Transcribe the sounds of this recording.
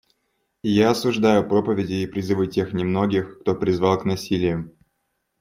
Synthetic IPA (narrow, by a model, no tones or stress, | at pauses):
jaɐsʊʐd̪ajʊpɾo̞pəvʲɪdʲɪːpɾʲɪzɨvɨtʲe̞xnʲɪmno̞ɡʲɪxkt̪o̞pɾʲɪzvɑlˠknɐsʲilʲɪjʊm